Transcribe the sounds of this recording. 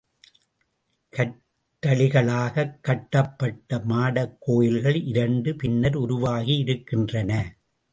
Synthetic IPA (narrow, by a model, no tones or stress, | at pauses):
kɐ | ʈːɐɭɪɣɐɭaːɣɐkːɐʈːɐpːɐʈːɐmaːɽɐkːoːjɪlɣɐɭʔɪɾɐɳɖɯpɪnːɐɾʊɾʊʋaːɣiɪɾɯkːɪndrɐnɐ